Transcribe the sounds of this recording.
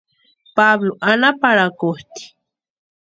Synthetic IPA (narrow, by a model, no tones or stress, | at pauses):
pabloʔanapaɾakʊht̪i̥